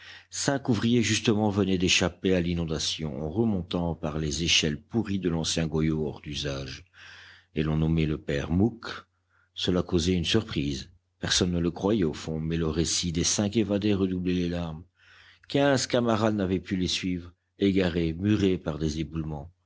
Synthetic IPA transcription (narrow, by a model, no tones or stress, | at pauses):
sɛ̃kuvʁijeʒyst̪əmɑ̃vənɛd̪eʃapealinɔ̃d̪asjɔ̰̃ʔɑ̰̃ʁəmɔ̃t̪ɑ̃paʁlezeʃɛlpuʁid̪əlɑ̃sjɛ̃ɡɔjoɔʁd̪yzaʒ | elɔ̃nɔmɛləpɛʁmuk | səlakozɛynsyʁpχiːz | pɛʁsɔnːələkχwajɛofɔ̃mɛləʁesid̪esɛ̃k̬evad̪eʁəd̪ublɛlelaʁm | kʲɛ̃zkamaʁad̪navɛpylesɥiːvʁ | eɡaʁemyʁepaʁd̪ezebulmɑ̃